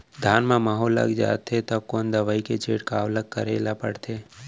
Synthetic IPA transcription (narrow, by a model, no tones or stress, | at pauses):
d̪ʱaːnmãmaːɦolːa̰ɡd͡ʒa̰ːt̪ʰːet̪əb̚koːnd̪əʋaːiket͡ʃʰeːʈkaːʋləkkəɾeːlapə̰ɽt̪ʰeː